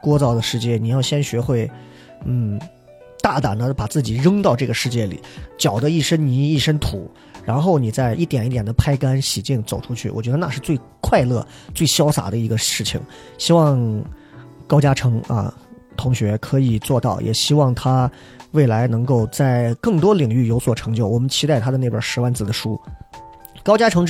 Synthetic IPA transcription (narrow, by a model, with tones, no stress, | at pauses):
kwɔ˥t͡sɑ˥˩ʊd̪ə˩ʂɻ̩˥˧t͡ɕjɛ˥˩ni˨˩jɑ˥˩ʊɕjɛ˥nɕɥɛ˧˥xwe˥˩ɪ | n̩˥˩ | t̪a˥˩t̪a̰˨˩nd̪ə˦pa˨˩t͡sɹ̩˥˩t͡ɕi˨˩ɻə˥ŋt̪ɑ˥˧ʊʈ͡ʂɤ˥˩ɡə˩ʂɻ̩˥˧t͡ɕjɛ˥˩lḭ˨˩˦t͡ɕjɑ˨˩ʊd̪ə˦i˥˩ʂə˥ŋni˧˥i˥˩ʂə˥nt̪ʰṵ˨˩˦ | ɻa˧˥nxo˥˩ʊni˨˩t͡sa˥˧ɪʔi˥˩t̪jɛ˨˩ni˥˩t̪jɛ˨˩nd̪ə˦pʰa˥ɪka˥nɕi˨˩t͡ɕi˥˩ŋt͡so˨˩ʊʈ͡ʂʰu˥t͡ɕʰy̰˥˩wɔ̰˨˩t͡ɕɥɛ˧˥d̪ə˧na˥˧ʂɻ̩˥˧t͡swe˥˧ɪ | kʰwa˥˧ɪlɤ̰˥˧ | t͡swe˥˩ɪɕjɑ˥ʊsa̰˨˩d̪ə˦i˧˥ɡə˧ʂɻ̩˥˩t͡ɕʰḭ˩ŋ | ɕi˥wɑ˥˧ŋ | kɑ˥ʊt͡ɕja˥ʈ͡ʂʰɤ˧˥ŋɐ̰˧ | t̪ʰʊ˧˥ŋɕɥɛ˧˥kʰɤ˧˥i˨˩t͡swɔ˥˧t̪ɑ˥˩ʊjɛ̰˨˩ɕi˥wɑ˥˩ŋt̪ʰa˥ | we˥˩ɪla˧˥ɪnɤ˧˥ŋko˥˧ʊt͡sa˥˧ɪkɤ˥˩ŋt̪wɔ˥li˨˩ŋy˥˩jo˧˥ʊswɔ˨˩ʈ͡ʂʰɤ˧˥ŋt͡ɕjo˥˩ʊwɔ˨˩mə˦nt͡ɕʰi˥t̪a˥˩ɪt̪ʰa˥d̪ə˧ne˥˩bjə˞˨˩ʂɻ̩˧˥wa˥˩nt͡sɹ̩˩d̪ə˦ʂu˥ | kɑ˥ʊt͡ɕja˥ʈ͡ʂʰɤ˧˥ŋ